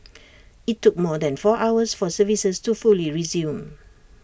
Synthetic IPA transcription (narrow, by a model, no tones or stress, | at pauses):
itːuk̚mɔdɛ̃nfɔʔawəsfɔsəvisəstufuliɹizjũm